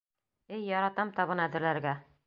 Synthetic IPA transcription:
ɘjːɒɾɑt̪ɑmt̪ɒβɤnæd̪ɘ̆ɾlæɾɡæ

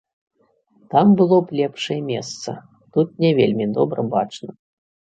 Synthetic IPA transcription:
t̪ambɨlˠɔplʲɛpʂɐjɛmʲɛst̪sɐ̰ | t̪ut̪̚nʲɛvʲelʲmʲid̪ɔbɾɐbat͡ʂnɐ

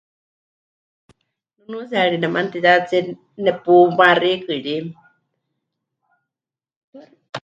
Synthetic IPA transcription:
nunusiaɺinɛmant̪it͡sat͡si | nɛpumarikɨɺi

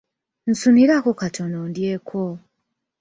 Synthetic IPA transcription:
n̩suniɾakokatʰo̞nondjekʰo

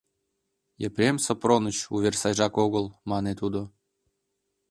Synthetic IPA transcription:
jəpɾʲemsopronət͡ɕuβʲersɑjʒɑkoɣəlˠmɑnet̪ud̪o

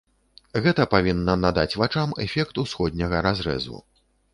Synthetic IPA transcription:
ɣɛt̪ɐpavʲinːɐnad̪at͡sʲvat͡ʂamɛ̰fʲɛkt̪usxɔd̪ʲnʲɐɣɐɾazɾɛ̰zṵ

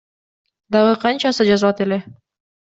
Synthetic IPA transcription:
d̪ɑʁɤqʰɑnt͡ʃɑsɯd͡ʒɑzlˠɑt̪ele

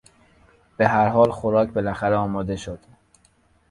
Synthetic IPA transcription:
b̥e̞ɦæɾɦɒːlxoɾɒːcʰbe̞læxæɾeɒːmɒːd̪e̞ʃod̪̥

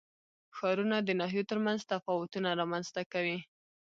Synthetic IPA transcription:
xɑɾunad̪ənɑɦjot̪əɾmanzt̪afɑwʊt̪unaɾɑmanz̥t̪akawi

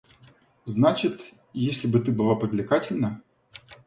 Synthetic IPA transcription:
znat͡ɕɪt̪ | jesʲlʲɪbɨt̪ɨbɨlˠapɾʲɪvʲlʲɪkatʲɪlʲnɐ

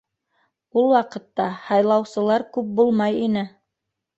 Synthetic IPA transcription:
ulˠwɑqɤ̆t̪ːɑhɑjlˠɑwsɤ̆lˠɑɾkʉp̚bulˠmɑjinɘ

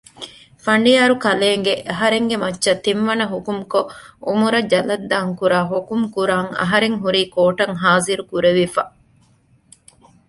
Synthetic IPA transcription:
fɐɳɖijaːɾukɐleːŋɡeʔɐɦɐɾeŋɡemɐtːʃɐt̪ːimʋɐnɐɦokumkoʔumuɾɐd͡ʒɐlɐd̪ːaːŋkuɾaːɦokumkuɾaːŋɐ̰ɦɐɾeŋɦuɾiːkoːʈɐŋɦaːziɾukuɾeʋifɐ

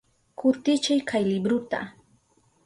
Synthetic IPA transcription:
kʰʊt̪ɪt͡ʃajkʰajlɪbɾʊt̪a̰

